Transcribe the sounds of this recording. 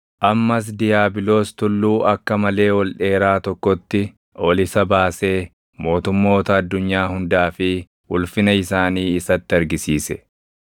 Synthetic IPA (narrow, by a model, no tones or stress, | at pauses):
ʔɐmːɐs̬d̪ɪjaːbɪlo̞ːst̪ʊlːuːʔɐkːɐmɐle̞ːwɔlᶑe̞ːɾaːt̪ɔkːɔt̪ːɪ | ʔɔlɪsɐbaːse̞ː | mo̞ːt̪ʊmːo̞ːt̪ɐːd̪ːʊɲːaːhʊnd̪aːfɪ | ʔʊlfɪnɐɪsaːniːɪsɐt̪ːɪɐɾɡɪsiːsɛ